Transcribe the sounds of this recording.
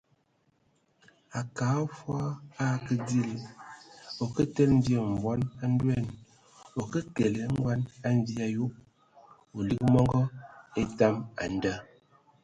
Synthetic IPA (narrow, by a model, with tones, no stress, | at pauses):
a˨ka˨˦fwa˦a˦kə˦di˦˨l | o˨kə˦tə˦nn̩˦dje˨m̩˨vwɔ˦na˦n˦dwɛ˦˨n | o˨kə˦ke˨le˨˦ŋ˦ɡwa˦na˦n˦di˦a˦ju˦ʔ̚ | o˨li˦kmɔ˦ŋɡɔ˦e˦ta˦ma̰˨n˨də˦